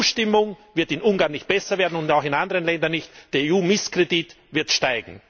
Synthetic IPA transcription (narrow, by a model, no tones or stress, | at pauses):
uːʃtɪmʊŋvɪɐtɪnʔʊnŋɡaːɐnɪçt̚b̥ɛsɐveːɐdn̩ʊnaʊxɪnandəʁənlɛndɐnɪçtd̥ːɐeːuːmɪskʁ̥edit | vɪɐtʃtaɪɡŋ̩